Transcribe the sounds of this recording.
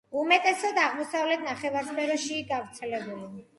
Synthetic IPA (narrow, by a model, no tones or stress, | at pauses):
umɛt̪ʼɛsɔd̪aʁmɔsavlɛt̪ʰnaχɛvaɾspʰɛɾɔʃiɡavɾt̪sʰɛlɛbuli